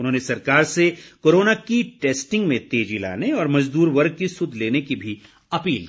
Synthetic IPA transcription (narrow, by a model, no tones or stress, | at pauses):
ʊnɦõːnesɐɾkaːɾsekoːɾoːnakiʈeːsʈɪ̃ŋɡmẽt̪eːd͡ʒila̰ːneɔːɾmɐd͡ʒd̪uːɾʋɐɾɡ̚kisʊd̪ʱleːnekibʱi | ɐpiːl